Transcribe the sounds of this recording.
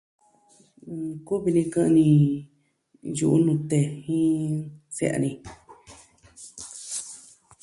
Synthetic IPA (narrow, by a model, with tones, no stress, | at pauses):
ku˦βi˧nĩ˧kã˦˧ʔnĩ˧ | ju˧˨ʔu˦nũ˧t̪e˧hĩ˦t͡sḛ˦˨ʔa̰˧nĩ˧